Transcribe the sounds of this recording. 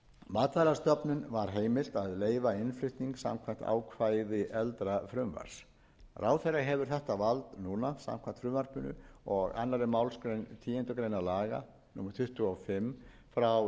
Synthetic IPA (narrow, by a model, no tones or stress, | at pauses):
maːt̪vajɾast̪œpnʏnvaɾ̥ɦeːjmɪl̥t̪aðleːjvaɪnflʏht̪niŋksa̰mkʰvam̥t̪a̰ːwkʰvaːjðɪʔɛlt̪ɾafɾʏmva̰ɾ̥s | rʔaːwθɛrːaɦɛvʏɾ̥θɛht̪avalt̪nuːnasa̰mkʰvant̪fɾʏmvaɾ̥pʏnʏ̰ɔɣa̰nːaɾɪmaːwlskɾejnt̪ʰiːɛnt̪ʏkɾejnalaːɣa̰ | numɛɾt̪ʰʏht̪ʏɔfɪm | fɾaw